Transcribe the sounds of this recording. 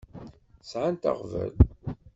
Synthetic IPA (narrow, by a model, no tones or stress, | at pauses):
sʕant̪a̰ʁvæ̰l